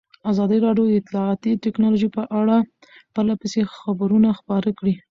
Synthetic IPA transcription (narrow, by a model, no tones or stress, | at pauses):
azɑd̪iɾɑɖjod̪əɪt̪lɑɑt̪it̪ɪknɑloʒipəʔaɽa | pəɾlapəsexabəɾunaxpɑɾəkɽi